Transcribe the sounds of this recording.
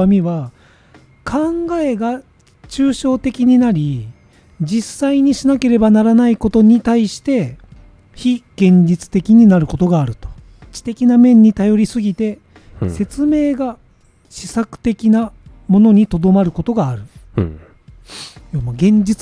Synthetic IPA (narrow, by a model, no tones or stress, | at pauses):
amʲiβa | kʰãŋɡae̞ɡa | t͡ɕɨːɕo̞ːt̪e̞kʲiɲ̟inaɾʲi | d͡ʑisːaiɲ̟iɕinake̞ɾe̞banaɾanaiko̞t̪o̞ɲ̟it̪aiɕi̥t̪e̞ | çiɡ̥ẽ̞ɲ̟d͡ʑit͡sɨ̥t̪e̞kʲiɲ̟inaɾɯ̟ko̞t̪o̞ɡaːɾɯ̟t̪o̞̥ | it͡ɕi̥t̪e̞kʲinamẽ̞ɲ̟ːit̪ajo̞ɾʲisɨɡʲit̪e̞ | se̞t͡sɨme̞ːɡa | ɕi̥sakɯ̟̥t̪e̞kʲinamo̞no̞ɲ̟it̪o̞d̪o̞maɾɯ̟ko̞t̪o̞ɡaːɾɯ̟ | jomaɡẽ̞ɲ̟d͡ʑit͡s